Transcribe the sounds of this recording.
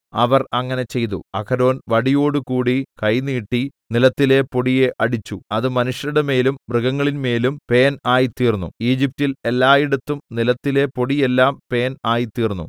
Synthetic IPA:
ɐʋɐrɐŋːɐne̞t͡ɕe̞jt̪ṵɐkʰɐɾo̞ːnʋɐɽijo̞ːɽukuːɽikɐjniːʈːinilɐt̪ːile̞poɽije̞ʔɐɽit͡ɕːuɐðɨmɐnuʂjɐnuɽeme̞ːlumbrɨɣɐŋːɐɭinme̞ːlumpe̞ːnaːjit̪iːrnːṵiːd͡ʑip̚tile̞lːaːjiɽɐt̪ːumnilɐt̪ːile̞po̞ɽijelːaːmpe̞ːnaːjit̪iːrnːṵ

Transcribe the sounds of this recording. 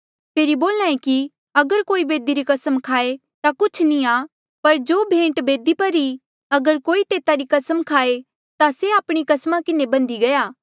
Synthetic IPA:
pʰeːɾiboːlnãːẽki | ɐɡəɾkoːibeːd̪iɾikɐsəmkʰaːe | t̪akʊt͡ʃʰnĩa | pɐɾd͡ʒoːbʱẽːʈbeːd̪ipɐɾi | ɐɡəɾkoːit̪eːt̪aɾikɐsəmkʰaːe | t̪aseaːpɽ̃ikɐsmãkɪnebɐ̃nd̪iɡɐjaː

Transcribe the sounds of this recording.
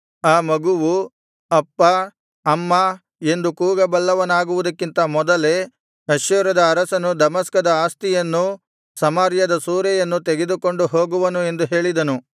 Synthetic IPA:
aːmɐɡuʋu | ɐpːɐː | mːɐ | e̞nd̪ukuːɡɐbɐlːɐʋɐnaːɡuʋud̪ɐkːint̪ɐmɔd̪ɐle̞ | ɐʃjɐɾɐd̪ɐːɾɐsɐnud̪ɐmɐskɐd̪ɐaːst̪ijɐnːu | sɐmaːɾjɐd̪ɐsuːɾɛjɐnːut̪eɡed̪uko̞ɳɖuɦo̞ːɡuʋɐnue̞nd̪uɦe̞ːɭid̪ɐnu

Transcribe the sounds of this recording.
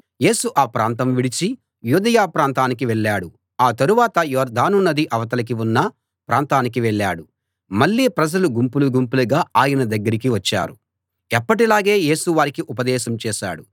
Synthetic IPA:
je̞ːsuʔaːpɾaːnt̪ɐmʋiɽit͡ʃi | juːd̪ɐjaːpɾaːnt̪aːnikiʋɛɭːaːɽu | aːt̪ɐɾuʋaːt̪ɐjɔːɾd̪ʱaːnunːɐd̪iʔɐʋɐt̪ɐlɐk̬iunːɐ | pɾaːnt̪aːnikiʋɛɭːaːɽu | mɐɭːiːpɾɐd͡ʒɐluɡumpuluɡumpulɐɡaːaːjɐnɐd̪ɐɡːɐɾikiʋɐt͡ʃːa̰ːɾu | ɛpːɐʈ̬ilaːɡe̞ːje̞ːsuʋaːɾikiʔupɐd̪ɛːʃɐmt͡ʃɛːʃa̰ːɽu

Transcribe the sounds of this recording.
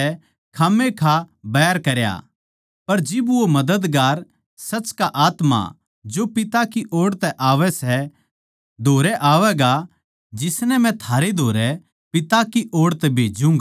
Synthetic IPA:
ɛ | kʰaːmekʰabɛːəɾkɐɾja̰ | pɐɾd͡ʒɪbʋomɐd̪əd̪ɡaːɾ | sɐt͡ʃkaʔaːt̪ma̰ | d͡ʒopɪt̪akiʔoːɽt̪ɛʔaːʋɛsɛ | d̪ʱoːɾɛʔaːʋɛɡa | d͡ʒɪsnɛmɛ̃t̪ʰaːɾed̪ʱoːɾɛ | pɪt̪akiʔoːɽt̪ɛbʱeːd͡ʒũŋɡ

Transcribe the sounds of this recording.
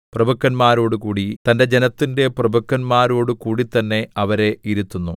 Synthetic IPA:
prɐbʱɐkːɐnmaːɾo̞ːɽukuːɽit̪ɐnde̞d͡ʑe̞nɐt̪ːinde̞prɐbʱɐkːɐnmaːɾoːɽukuːɽit̪ːɐnːe̞ɐʋɐɾe̞iɾut̪ːunːu

